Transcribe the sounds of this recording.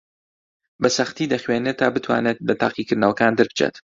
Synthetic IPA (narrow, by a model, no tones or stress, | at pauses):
bɐsɐxt̪iːd̪ɐxweːnet̪ʰaːbɨt̪ʰwa̰ːnet̪̚lɐt̪ʰa̰ːqikɨɾnɐwɐkaːnd̪ɨɾbɨt͡ʃʰḛːt̪